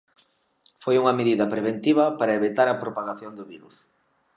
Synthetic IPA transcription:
fojuŋɐmeðiðɐpɾeβ̞ent̪iβ̞ɐpaɾɐeβit̪aɾɐpɾopaɣaθjond̪ʊβiɾus

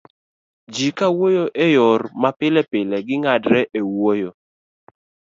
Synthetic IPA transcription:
d͡ʒikawojoʔejɔrmapɪlɛpɪlɛɡɪŋadɾɛʔewojo

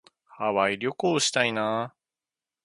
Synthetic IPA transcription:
haβaiɾʲo̞koːɕi̥t̪ainaː

